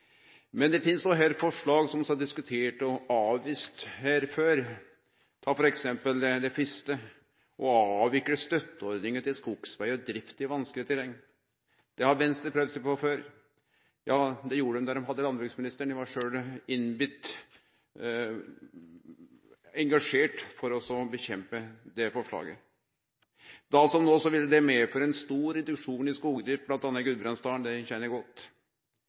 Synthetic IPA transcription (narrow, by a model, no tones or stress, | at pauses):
mɛnd̪ɛfɪnsnɔɦɛlfɔʂɭɑːɡsɔmsɑɖɪskʉt̪ʰeːʈɔɑːʋʋiːst̪hæːɾføːɾ | t̪ʰɑːfɔɾɛksɛmpəld̪ɛd̪ɛfɪst̪ə | ʔɔɑːʋɪkːəɾəst̪œt̪ːəɔɾd̪nɪŋət̪ɪlskuɡ̥sʋæɪɔd̪ɾɪft̪ɪʋɑnsklɪət̪ʰɪlɛŋ | d̪̥ɛhɑɾʋɛnst̪əpʰɾøːʋsɛpɔføːɾ | jɑːd̪ɛjuːɾəɖ̪ɛmd̪ɑɾɔmɦɑd̪ːəlɑnbɾʉksmɪnɪst̪əɳɪʋɑʂøːlɪnbʏt̪ | ɛŋɡɑʂeːʈfɔɾɔsɔbəçɛmpəd̪ɛfɔʂɭɑ̰ːɡə̰ | d̪ɑsɔmnoːsɔʋɪlːəd̪ɛmeːføɾəɛnst̪uːɾɛd̪ʉkʂuːnɪskuːɡəd̪ɾɪft̪̚blɑnt̪ɑnːəɡʉlbɾɑnst̪ɑːəɳd̪ɛçɛnːəɾɡɔt̪ː